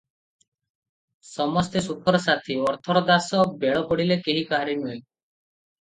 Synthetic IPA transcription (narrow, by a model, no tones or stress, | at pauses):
sɔmɔst̪esukʰɔɾɔsat̪ʰiɔɾt̪ʰɔɾɔd̪asɔbeɭɔpɔɽilekeɦikaɦaɾinuj